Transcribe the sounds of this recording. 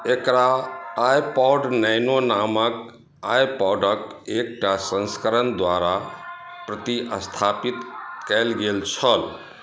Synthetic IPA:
ekɾaːjpɔɖnəjnonamək | ajpɔɖək | ek̚ʈasə̃nskəɾənd̪waɾapɾət̪iʔəst̪ʰapit̪kɛlɡelt͡ʃʰəl

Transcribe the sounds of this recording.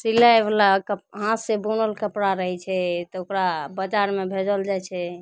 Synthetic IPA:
silaeblakəpɦãsebunəlkəpɽaɾəɦɛt͡ʃʰɛt̪ɔokɾabəd͡ʒaɾmebʱed͡ʒəld͡ʒajt͡ʃʰɛ

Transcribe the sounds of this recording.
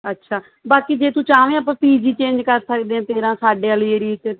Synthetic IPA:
ətːʃʰaː | baːkiːd͡ʒeːt̪ũːt͡ʃaːʋẽːəp̬ãːpiːd͡ʒiːt͡ʃẽːɲd͡ʒkəɾsəkd̪ẽːãːt̪eːɾãːsaːɖeːəliəɾiːt͡ʃ

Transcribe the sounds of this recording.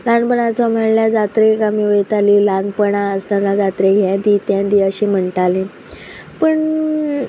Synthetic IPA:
lanpəɳat͡sam̤əɽljad͡zat̪ɾekamiʋət̪alilanpəɳaəst̪anad͡zat̪ɾeɡʱãd̪it̪jãd̪iəɕiːm̤əɳʈ̪alẽ | pəɳ

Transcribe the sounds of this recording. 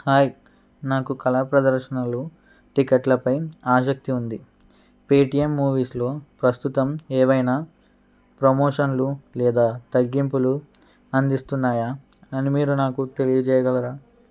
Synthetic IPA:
haːj | naːkukɐlaːpɾɐd̪ɐɾʃɐnɐlu | ʈikeʈlɐpɐjaːʃ̬ɐk̚t̪iund̪i | peːʈijemːuːʋiːslo̞ːpɾɐst̪ut̪ɐmɛːʋɐjnaː | pɾɐmoːʂɐnlulɛːd̪aːt̪ɐɡːimpulu | ɐnd̪ist̪unːaːjaː | ɐnimiːɾunaːkut̪e̞lijɐd͡ʒɛːjɐɡɐlɐɾaː

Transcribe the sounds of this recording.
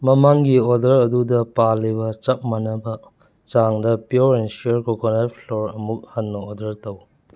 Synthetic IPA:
mɐmaŋɡiodɐɾɐdudɐpalːibɐt͡ʃɐp̚mɐnɐbɐ | t͡ʃaŋdɐpjuɾensoɾkokonapʰloɾɐmuk̚hanːɐodɐɾtɐw

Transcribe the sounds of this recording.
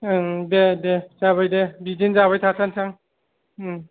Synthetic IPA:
dedezaβajdebizinzaβajtʰasansaŋ

